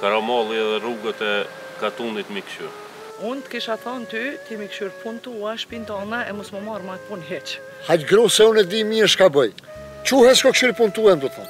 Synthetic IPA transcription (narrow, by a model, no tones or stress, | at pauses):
kaɾamɑlˠiɛðɛruɡat̪ɛ | kat̪unit̪mikʃy̰ɾ | unt̪ə̥kiʃaθɔnt̪yt̪imikʃyɾpʰunt̪uɛʃpint̪ɑnɛɛmusmɔmaɾmat̪̚punɦɛt͡ʃ | hat͡ʃɡɾusɛunɛd̪imiɾʃkabɔj | t͡ɕuhɛʃkɔkʃyɾpunt̪uɛnd̪ut̪ɔ